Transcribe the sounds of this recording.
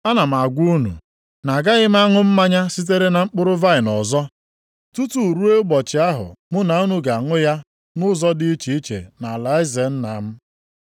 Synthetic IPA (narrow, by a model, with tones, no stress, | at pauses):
a˦na˨m̩˨a˨ɡʷu˦nṵ˨ | na˨ɡa˦ɣɪ˦m˦a˦ŋʊ˦m̩˦ma˦ɲa˦si˦t̬e˦ɾe˦na˨ŋ͡m̩˦k͡pʊ˦ɾʊ˦va˦ɪ˨nɔ˨zɔ˦ | tu˦tu˨ɾu˦e˦ɡ͡bɔ˨t͡ʃɪ˨a˦ɦʊ̰˨mʊ˦na˨u˦nu˨ɡa˨ŋʊ˦ja˦ | nʊ˦zɔ˦dɪ˦i˦t͡ʃi˨i˦t͡ʃḛ˨na˨la˨ɪ˦ze˨n̩˦na˨m̩˦